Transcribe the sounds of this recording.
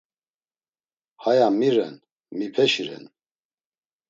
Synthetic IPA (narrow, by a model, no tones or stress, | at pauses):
hajamiɾɛ̰n | mipʰɛʃiɾɛ̰n